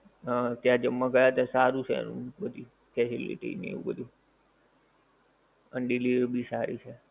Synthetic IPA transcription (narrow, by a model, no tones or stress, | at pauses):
ət̪jãd͡ʒəmːakəjat̪ãsaɾũt͡ʃʰeḛnṵ̃bəd̪ʱi | fɛsilḭʈḭnḛʋṵ̃bəd̪ʱu | ənɖiliʋəɾbʱisaɾit͡ʃʰe